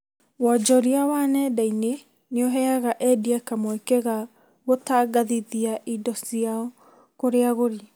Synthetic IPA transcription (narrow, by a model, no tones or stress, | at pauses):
wɔd͡ʒɔɾiawanɛdaine | neoɦɛaɣaʔɛdiakamoekeɣa | βotaːɡaðiðiaʔidɔsiaɔ | koɾeaɣoɾi